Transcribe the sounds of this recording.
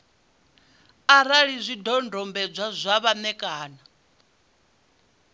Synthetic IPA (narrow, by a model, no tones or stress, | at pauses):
aɾaɺizʷidɔndʱɔmbɛd͡zʷazʷaβanɛkʼaːna